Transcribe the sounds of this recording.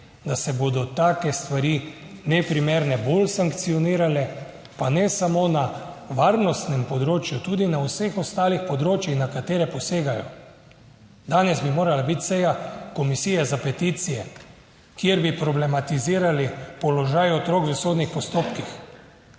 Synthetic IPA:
d̪asɛbod̪ɔt̪aːkɛst̪ʋaɾi | nɛpɾimeɾnɛbolsaŋkt̪sijɔniːɾalɛ | panɛsamonaʋaɾnɔst̪nɛmpɔd̪ɾoːt͡ʃjut̪uːd̪inawsexɔst̪aːlixpɔd̪ɾoːt͡ʃjixnakat̪eːɾɛpɔseːɡajɔ̰ | d̪aːnɛzbimoːɾalabit̪sɛjakɔmisijɛzapɛt̪iːt̪sijɛ | kiɛɾbipɾɔblɛmat̪iziːɾalipɔlɔʒajɔt̪ɾokvəsoːd̪nixpɔst̪oːpkix

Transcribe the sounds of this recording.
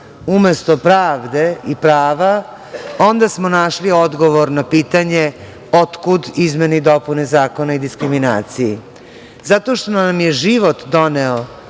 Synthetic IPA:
umest̪opɾaːʋd̪e̞ipɾaːʋa | o̞nd̪asmonaʃliod̪ɡoʋoɾnapiːt̪aɲe | ot̪kud̪izmenid̪o̞punezaːko̞naid̪iskɾimina̰ːt̪siji | zat̪oʃt̪onnamjeʒiʋo̞t̪d̪o̞neo

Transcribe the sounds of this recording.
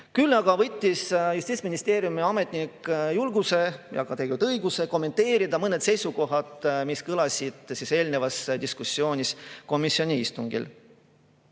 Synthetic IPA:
kylːɑɡɑvɤt̪ʲːisjust̪iːt̪sminist̪e̞ːɾjumiɑme̞t̪ˑnikːjulɡuse̞jɑ̰kɑt̪eɡut̪ɤjɡ̥use̞ko̞mːe̞nt̪e̞ːɾid̪ɑmɤne̞t̪se̞jsuko̞ɦɑd̪miskɤlɑsʲid̪̥sise̞ːlne̞vɑsd̪̥iskusːio̞ːnʲisko̞misːio̞nʲiist̪uŋɡḭl

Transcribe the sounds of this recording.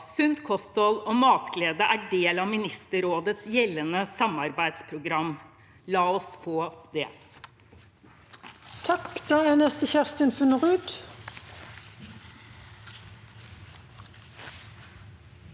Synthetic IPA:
sʉnt̪kʰɔst̪ɔlɔmɑːt̪kʰleːd̪əʔæːɖeːlɑmɪnɪst̪əɾoːd̪ət̪sjɛlːənəsɑmɑɾbæɪd̪spʰɾʊɡɾɑmː | lɑːɔsfoːd̪̥ɛ̰ː | t̪ʰɑkd̪̥ɑːænɛst̪əçæʁst̪ənfʉnʁʉːd̪

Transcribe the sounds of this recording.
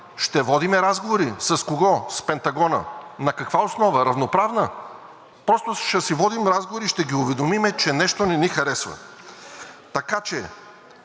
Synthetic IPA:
ʃt̪ɛvɔd̪imɛɾazɡovoɾisɐskoɡɔspɛnt̪ɐɡɔnə̰nɐkɐkvaosnɔvəɾɐvnopɾavnə | pɾɔst̪oʃɛsivɔd̪imɾazɡovoɾiʃt̪ɛɡiʊvɛd̪omimɛt͡ʃɛnɛʃt̪onɛnixɐɾɛsvɐ̰ | t̪ɐkat͡ʃɛ

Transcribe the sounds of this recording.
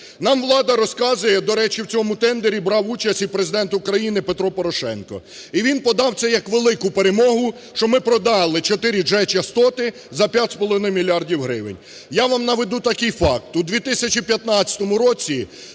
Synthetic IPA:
nɑmʋlˠɑd̪ɐɾɔskɑzʊjɛd̪ɔɾɛt͡ʃiwt͡sʲɔmʊt̪ɛnd̪eɾʲibɾɑwut͡ʃɐsʲtʲipɾezɪd̪ɛnt̪ʊkɾɐjinɪpet̪ɾɔpɔɾɔʃɛ̰nkɔ̰ | iʋʲinpɔd̪ɑwt̪sɛjɐkʋelˠɪkʊpe̞ɾemɔɦʊ | ʃt͡ʃɔmɪpɾɔd̪ɑlˠɪt͡ʃɔt̪ɪɾʲid͡ʒɛt͡ʃɐst̪ɔt̪ɪ | zɐpʲjatʲspɔlˠɔʋɪnɪmʲilʲiardʲiwɦɾɪʋeɪ̰nʲ | jaʋamnɐʋed̪ut̪ɐkɪjfɑk̚t̪ud̪ʲʋʲit̪ɪsʲɐt͡ʃipʲjɐt̪nɑtt͡sʲɐ̥t̪ɔmʊɾɔt͡sʲi

